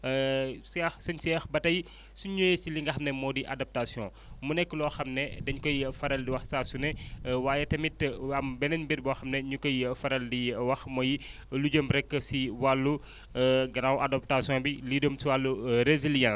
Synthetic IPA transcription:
sɛxsɐɲsɛːxbɐtɐji | suɲujesiliŋɡɐxɐmnɛmɔːdiʔadɐp̚tasjɔ̰̃ | munɛkːəlɔːxɐmnɛdɐɲkɔjifɐɾɐldiwɐxsaːsunɛwaːjɛtɐmitɐmbɛnɐɲbiɾbɔxɐmnɛɲukɔjifɐɾɐldiwɐxmɔji | luɟomɾɛkːəsiwalːu | ɡɐnawʔadɐp̚tasjɔ̃ːbilidomsiwalːuɾezilijãs

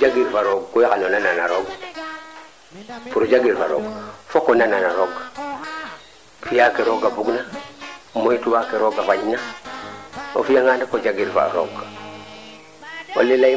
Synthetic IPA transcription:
d͡ʒaɡiɾfaɾoɡkojkanonananaɾoɡ | puɾɟaɡiɾfa̰ɾo̰ɡfokonananaɾoɡ | fijakeɾoɡabuɡna | mojituwakeɾoɡafaɲna | o̰fijaŋaːndakoɟaɡiɾfa̰ɾoɡ | o̰lela

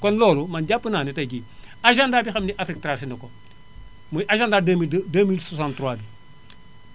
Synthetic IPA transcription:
konlɔːlumanɟapːənaːnitajkiaʒandaːbixamniʔafɾik̚tɾasinɐkon | muʔaʒandaːdemideːmilsasãntɾwaːbi

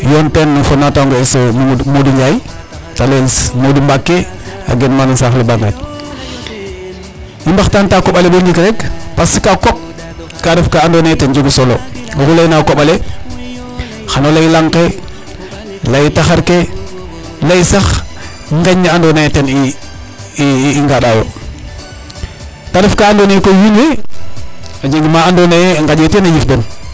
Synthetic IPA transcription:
jontenːufonataŋɡoesomoduɲai | talesmodumbakːe | a̰ɡenmanisaxlibaŋɡa̰t | imbaxtantakoɓaleboɲd͡ʒikɾekpasikakop̚ | kadefkaandonatend͡ʒuɡisolooxulainakoɓale | xanolajilaŋke | lajitaxaɾke | lajsax | ŋɡaɲːaandonajteni | iŋɡaɗawo̰ | tadifkaandonejkojinwe | ad͡ʒeŋɡimaandonajŋɡad͡ʒetenajifden

